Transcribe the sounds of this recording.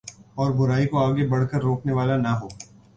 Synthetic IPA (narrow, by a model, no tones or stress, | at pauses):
ɔːɾbʊɾaːikoaːɡebɐɽkəɾːoːkneʋaːlanɐɦoː